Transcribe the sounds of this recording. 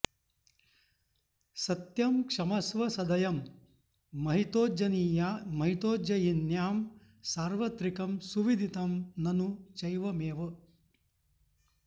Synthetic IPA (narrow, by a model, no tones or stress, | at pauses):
sɐt̪jɐmkʂɐmɐsʋɐsɐd̪ɐjɐmː | ɐɦit̪oːd͡ʒɐniːjamɐɦit̪oːd͡ʒɐjinjaːm | saːɾʋɐt̪ɾikɐmsuʋid̪ʱit̪ɐmnɐnut͡ʃɐjʋɐmeːʋɐ